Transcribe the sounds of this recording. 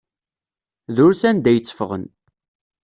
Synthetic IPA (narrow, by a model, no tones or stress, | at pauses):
ðʊɾθænd̪æjət͡sːə̥fəʁə̰n